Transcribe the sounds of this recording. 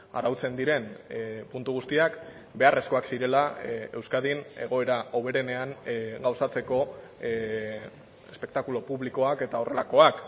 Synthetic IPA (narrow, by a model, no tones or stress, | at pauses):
a̰rawt͡se̞nd̪iɾe̞npunt̪uɣ̞ust̪iak | be̞are̞sko̞aksiɾe̞lae̞wskaðine̞ɣ̞o̞e̞ɾao̞β̞e̞ɾe̞ne̞anɡawsat͡se̞ko̞ | espe̞k̚t̪akulo̞puβliko̞ake̞t̪ao̞re̞lako̞ak